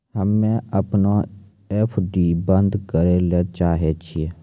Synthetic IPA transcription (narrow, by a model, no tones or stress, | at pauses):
ɦəmẽːəpnoː | ɛpʰɖiːbənd̪kəɾeːleːt͡ʃaːɦeːt͡ʃʰie